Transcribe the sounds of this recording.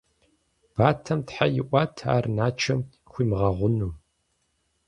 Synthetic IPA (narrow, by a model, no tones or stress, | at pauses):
b̥aːtʰɐmtħajɪʔʷɑtʰa̰ːrnaːt͡ʃʰɐm | xʷiːmʁɐʁʷʊnuː